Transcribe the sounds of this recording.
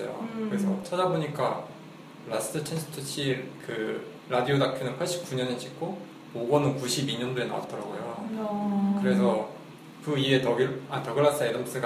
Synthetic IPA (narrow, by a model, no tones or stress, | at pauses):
ḛjo̰kɯɾesʰʌ̰t͡ɕʰadaboɲik͈a | ɾas͈ʰɯtʰensʰɯ̥tʰɯt͡ɕʰiɾkɯ | ɾadiodakʰɯnɯnpʰaɭɕ͈i̥p̚k͈uɲʌnet͡ɕik͈ʰo | oɡwʌnɯnkuɕʰibiɲʌndoena̰wa̰t͈̚ʌɾa̰ɡojo | kɯɾe̞sʰʌ | kɯie̞tʌɡiatʌɡɯɭːas͈ɯedʌms͈ɯɡa